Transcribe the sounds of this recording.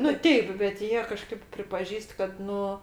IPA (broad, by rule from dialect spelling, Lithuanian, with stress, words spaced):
nʊ ˈtʲɛɪp bʲɛt ˈjiɛ kɐˈʃkɐɪp pʲrʲɪpɐˈʒʲiːst kɐt ˈnʊ